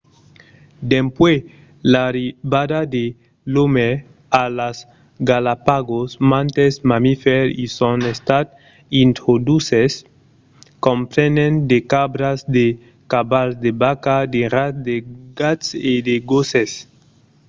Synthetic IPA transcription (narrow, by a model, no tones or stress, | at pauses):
d̪empwe | laɾiβadad̪e | lome | alas | ɡalapaɡosmãnt̪ezmamifeɾisonest̪at̪̚ | int̪ɾod̪uses | kompɾenend̪ekabɾazd̪e | kabalzd̪ebakad̪eratd̪eɡased̪eɡoses